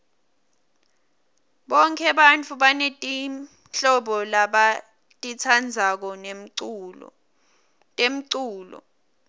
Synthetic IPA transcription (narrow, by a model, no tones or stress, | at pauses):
ɓɔŋkʰɛɓant͡fʰuɓanetʼi | ɬɔɓɔlaɓa | tʼit͡sʰand͡zʱak̬ɔn | em̩ǀuːlɔ̰